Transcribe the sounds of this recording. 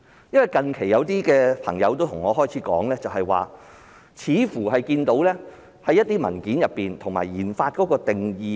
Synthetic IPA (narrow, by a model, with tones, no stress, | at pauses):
jɐ˥nwɐ˨jkɐ˨˧ŋkʰe˨˩jɐ˨˧wt̪iː˥kɛː˧pʰɐ̰˨˩ŋjɐ˨˧wt̪o˥wt̪ʰʊ˨˩ŋːɔː˨˧ɦɔː˥jt͡sʰiː˨˥kɔ̰ː˨˥ŋlɛː˥t͡sɐ˨whɐ˨jwa̰ː˨ | t͡sʰiː˨˥fuː˨˩ɦɐ˨jkiː˧nt̪o˨˥wlɛː˥ | hɐ˨˥jɐ˥t̪̚ːiː˥mɐ˨˩nkiː˨˥njɐ˨pːiː˨nt̪ʰʊ˨˩ŋma̰ː˨˩jjiː˨˩nfaː˧t̚kɔː˨˥kɔː˧t̪ɪ˨ŋjiː˨˧